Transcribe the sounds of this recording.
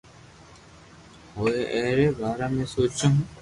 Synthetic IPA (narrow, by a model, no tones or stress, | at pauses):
ɦoːeʔɛːɾeːbʱaːɾaːmẽːsoːt͡ʃõ